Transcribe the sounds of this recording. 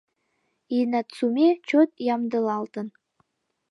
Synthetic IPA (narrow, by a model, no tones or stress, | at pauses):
inæt̪t͡sumʲet͡ɕot̪̚jɑmd̪ɤ̆lˠɑlˠt̪ɤ̆n